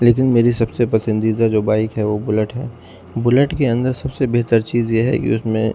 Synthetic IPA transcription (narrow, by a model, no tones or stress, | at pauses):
leːk̬ɪnmeːɾisɐbsepɐsə̃nd̪iːd̪ad͡ʒoːbaːɪkɦɛʋobʊləʈɦɛː | bʊləʈkeɐ̃nd̪əɾsɐbsebeɦt̪əɾt͡ʃiːzjeɦɛ̰kḭʊsmḛ̃